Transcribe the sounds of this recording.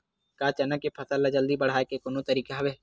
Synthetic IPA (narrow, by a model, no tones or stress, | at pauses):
kaːt͡ʃɐnəkepʰɐsəlːad͡ʒəld̪ibɐɽ̤aːekekonõt̪əɾiːkaɦɐʋeː